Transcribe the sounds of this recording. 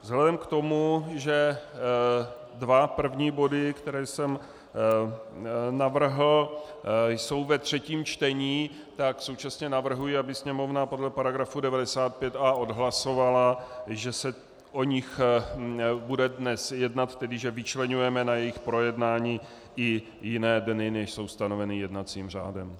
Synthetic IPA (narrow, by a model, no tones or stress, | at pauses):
vzɦlɛdɛmkt̪o̞muʒɛ | dvapr̩vɲiːbo̞dɪkt̪ɛɾɛːsɛm | navr̩ɦl̩ | jso̞wvɛt̪r̝̥ɛciːmt͡ʃt̪ɛɲiː | t̪akso̞wt͡ʃasɲɛnavr̩ɦujɪabɪsɲɛmo̞vnapo̞dlɛpaɾaɡɾafudɛvadɛsaːt̪̚pjɛt̪aːʔo̞dɦlaso̞valaʒɛsɛ | ʔo̞ɲɪx | budɛdnɛsjɛdnat̪ːɛdɪʒɛvɪt͡ʃlɛɲujɛmɛnajɛjɪxpɾo̞jɛdnaːɲiː | ʔɪ | jɪnɛːdnɪnɛʃso̞wst̪ano̞vɛnɪjɛdnat͡siːmr̝a̰ːdɛm